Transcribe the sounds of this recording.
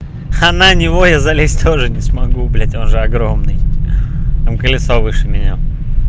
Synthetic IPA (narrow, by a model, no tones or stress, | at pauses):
ananʲɪvojazɐlʲesʲt̪ʰo̞ʐɨnʲɪsmɐɡublʲatʲo̞nʐɨɐɡɾo̞mnɨj | t̪amkəlʲɪt̪sovɨʂɨmʲɪnʲa